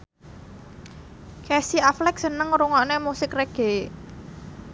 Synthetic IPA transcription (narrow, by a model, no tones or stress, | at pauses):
kɛsiaflɛk̚sənəŋɾuŋɔnemusɪkreɡ̥e̤